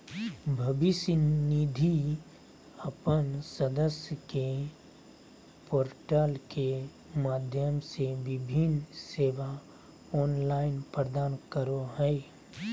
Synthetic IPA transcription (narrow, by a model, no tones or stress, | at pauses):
bʱəbɪsjnid̪ʱi | əpənsəd̪əsjəke | poːɾʈaːlke | maːd̪ʱjəmseʋɪbʱɪnseːʋa | ɔːnlaːɪnpɾəd̪aːnkəɾoɦɛe